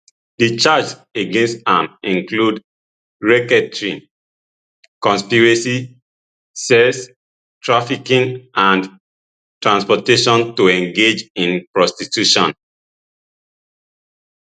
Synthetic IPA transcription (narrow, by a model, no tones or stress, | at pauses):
dit͡ʃad͡ʒeɡẽnstãmĩŋklud | ɹɛkɛtɹĩ | kɔ̃nspiɹɛsi | sɛs | tʰɹafikĩŋãnd | tɹãnspɔteʃɔ̃ntoɛ̃ŋɡed͡ʒĩnpɹɔstitjuʃɔ̃n